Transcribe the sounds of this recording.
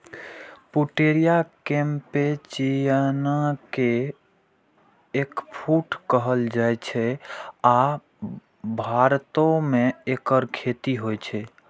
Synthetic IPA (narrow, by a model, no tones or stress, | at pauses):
puʈeɾijakẽmpet͡ʃijənake | kpʰuʈkəɦəld͡ʒajt͡ʃʰɛa | bʱaɾt̪omeekəɾkʰet̪iɦojt͡ʃʰɛ